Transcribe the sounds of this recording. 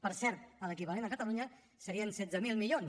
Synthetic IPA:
pəɾsɛɾt̪̚pələkiβalenəkət̪əluɲə | səɾiənsɛdd͡zəmilˠmiʎons

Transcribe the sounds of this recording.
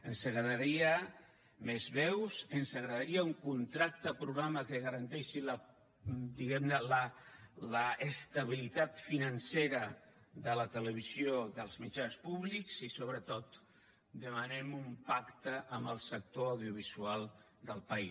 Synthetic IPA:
ənsəɣɾəðəɾiə | mezβɛwzənsəɣɾəðəɾiəuŋkunt̪ɾak̚t̪əpɾuɣɾaməkəɣəɾənt̪ɛʃilə | d̪iɣɛmnələləʔəst̪əβ̞ilit̪at̪finənseɾə | ðələt̪ələβ̞izjoðəlˠzmit͡ʃanspuβlikzisoβɾət̪ot̪ | d̪əmənɛmumpakt̪əʔːmbəlˠsək̚t̪oawðjuβ̞izualˠ | d̪əlˠpəi

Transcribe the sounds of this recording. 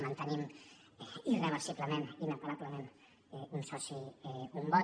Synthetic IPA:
mãnt̪ənim | irəβəɾsiβləmẽninəpaɾabləmẽn | ɛunsɔsiɛumbɔ

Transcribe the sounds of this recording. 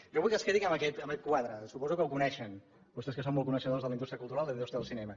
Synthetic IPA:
ʒɔβujkəskɾeɾikəməkɛt̪əmbəkɛt̪̚kwaðɾəsupɔzukəuwkunɛʃən | bust̪eskəsonmɔlˠkunəʃəðozðələind̪ut̪ɾjəkulˠt̪uɾalˠd̪əβiðust̪ɾaðəlˠsinɛmə

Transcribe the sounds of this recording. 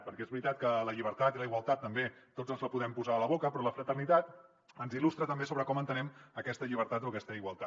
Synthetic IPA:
pəɾkɛezβɾit̪at̪kələʎiβ̞əɾt̪at̪iləiɣwəlˠt̪at̪ːəmbet̪od͡zəlˠzləpuðɛmpuzaːləβokəpɾɔləfɾət̪ərnit̪at̪ | ənzilust̪ɾət̪əmbesoβɾəkɔmənt̪ənɛməkɛst̪əʎiβ̞əɾt̪at̪oəkɛst̪əiɣwəlˠt̪a

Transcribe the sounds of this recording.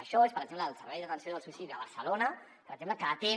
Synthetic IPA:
əʃɔespəɾɡd͡ʒemləːlˠsəɾβɛjðət̪ənsjoðəlˠsuisiðəβəɾsəlonə | pəɾɡd͡ʒempləkaːt̪e

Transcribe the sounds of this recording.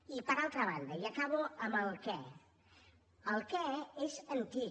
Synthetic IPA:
ipəɾalˠt̪ɾəβand̪əiəkaβuəməlˠkɛ | əlˠkɛezənt̪i

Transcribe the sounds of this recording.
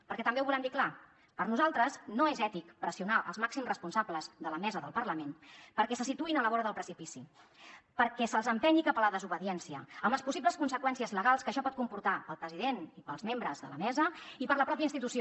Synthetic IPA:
pəɾkɛt̪əmbewβulɛmd̪ikla | pəɾnuzalˠt̪ɾəsnoezɛt̪ikpɾəsiunaʔə̰lˠzmaksimzrəspunsabləzðələmɛzəðəlˠpəɾləmenpəɾkɛsəsit̪uinələβɔɾəðəlˠpɾəsipisi | pəɾkɛsəlˠzəmpɛɲikapələðəzuβəðiɛnsiəəmbləspusiβpləskunsəkwɛnsiəzləɣalˠskəʃɔpɔt̪̚kumpuɾt̪apəlˠpɾəziðenipəlˠzmembɾəzðə̰ləmɛzəipəɾləpɾɔp̬iəinst̪it̪usio

